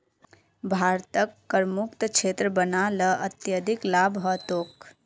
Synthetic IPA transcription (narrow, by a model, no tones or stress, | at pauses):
bʱaɾt̪əkːəɾmukt̪t͡ʃʰet̪ɾəbənaləət̪jəd̪ʱiklabɦət̪ok